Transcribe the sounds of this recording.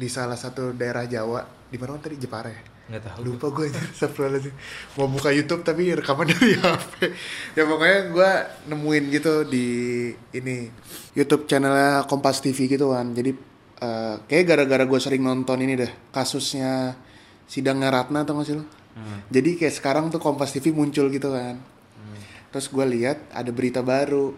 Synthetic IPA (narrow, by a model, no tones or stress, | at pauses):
disalahsat̪udaeɾahd͡ʒawaʔ | dimanawant̪abid͡ʒəpaɾaj | lupaɡuatisapuals̬ɪmabukajut̪ʊp̚t̪apirəkamandaɾiapɛjapəkoɲaɡuanəmuɪnɡit̪udiː | ni | jut̪ʊp̚t͡ʃanɛlakɔmpast̪ifiɡit̪ukand͡ʒadi | əːkajaʔɡaɾaɡaɾaɡuasəɾɪŋnɔnt̪ɔninidɛhkasʊsɲa | sidaŋɲaɾat̪̚nat̪amasil | d͡ʒadikajaʔsə̥kaɾaŋt̪ukɔmpast̪ifimuɲt͡ʃʊlɡit̪ukan | t̪ɾʊsɡualiɦat̪̚a̰dabəɾit̪abaɾu